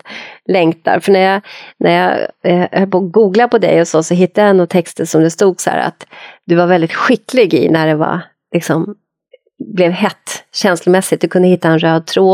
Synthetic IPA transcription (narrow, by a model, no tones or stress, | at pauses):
lɛŋt̪a̰ɾfœɳæjɑnʔæɾjɑ | hœlpuɡuːɡlapɔd̪ɛ̰jɔsɔsɔɦɪt̪ːadjaɛnɔt̪ʰɛkst̪əsɔmd̪ɛst̪uːɡsɔhæ̰ːɾa̰t̪d̪ɵvaɾvɛld̪ɪt̪ɧɪkːlɪɡɪ̰næɖɛva̰ | lɪksɔm | blɛvɦɛt̪ːɕɛnslʊmɛsːɪt̪̚d̪ɵkʰɵnd̪əhɪt̪ːaɛnɾøːd̪̚t̪ʰɾoː